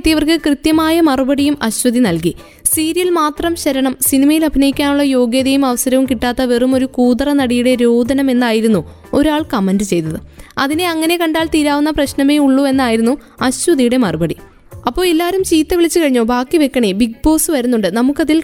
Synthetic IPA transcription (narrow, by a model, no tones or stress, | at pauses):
t̪ːijɐʋɐrkɨkrɨt̪jɐmaːjɐmɐrɨbɐɽijumɐɕwɐðinɐlki | siːɾijɐilmaːt̪rɐmɕɐɾɐɳɐmsinimɐjilɐbʱinɐjikʲːaːnuɭːɐjo̞ːɡjeːðɐjumɐʋɐsɐɾɐʋumkiʈːaːt̪ːɐʋerumo̞ɾukuːd̪ɐrɐnɐɽijuɽeɾoːd̪ʱɐnɐme̞nːaːjiɾunːu | o̞ɾaːɭkɐmɐndɨt͡ɕe̞jt̪ːɐðɨɐðine̞ɐŋːɐne̞kɐɳɖaːɭt̪iːɾaːʋunːɐprɐɕnɐme̞ːuɭːue̞nːaːjiɾunːu | ɐɕwɐðijuɽe̞mɐrɨbɐɽi | ɐpːo̞ːɭelːaːɾumt͡ɕiːt̪ːɐʋiɭit͡ɕːɨkɐɻiɲːoːbaːkːiʋe̞kːɐɳebiɡ̚bo̞ːsɨʋɐɾunːuɳɖɨnɐmukːɐðil